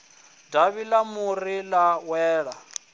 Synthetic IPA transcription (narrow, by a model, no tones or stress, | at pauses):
daβilamurilawɛːɺa